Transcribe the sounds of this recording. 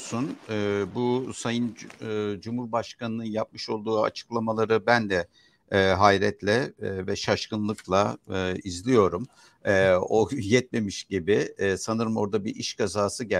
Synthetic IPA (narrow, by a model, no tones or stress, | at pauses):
sunːbusajɯnːd͡ʒumhuɾbaʃkanɯnɯnjap̚mɯʃo̞lˠd̪uːa̰t͡ʃʰɯ̥klˠamalˠaɾɯbænd̪ɛ | ɦajɾɛt̪lʲɛvɛʃaʃkɯnlˠɯklˠaɯizlʲijo̞ɾum | ɛːojɛt̪̚me̞miʃɟibɪsanɯɾɯmo̞ɾd̪abiɾʔiʃkʰazaːsɯɟɛ